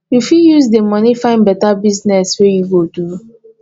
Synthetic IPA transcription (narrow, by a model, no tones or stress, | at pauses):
jufiljuzdəmɔnifãɪ̃nbɛtabiznɛswɛjuɡotu